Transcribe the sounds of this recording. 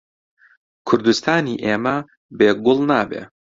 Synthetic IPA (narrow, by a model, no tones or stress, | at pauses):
kʰʊɾd̪ust̪ʰaːniːʔeːmɐ | beːɡʊlˠnaːbḛː